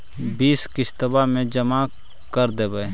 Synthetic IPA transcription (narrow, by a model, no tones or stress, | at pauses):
biːskɪst̪əbamẽd͡ʒəma | kəɾd̪eːbə